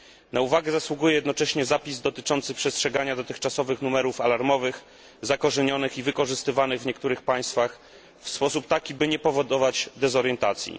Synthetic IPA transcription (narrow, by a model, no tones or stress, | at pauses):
nauvaɡɛzaswuɡujɛjɛd̪nɔt͡ʂɛɕɲɛzapʲizd̪ɔt̪ɘt͡ʂɔnt̪sɘpʂɛstʂɛɡaɲad̪ɔt̪ɘxt͡ʂasɔvɘxnumɛɾufalaɾmɔvɘx | zakɔʐɛɲɔnɘxivɘkɔʐɘst̪ɘvanɘɣvɲɛkt̪uɾɘxpaj̃st̪fax | fspɔsup̚t̪akʲibɘɲɛpɔvɔd̪ɔvat͡ɕd̪ɛzɔɾjɛnt̪at̪sʲjḭ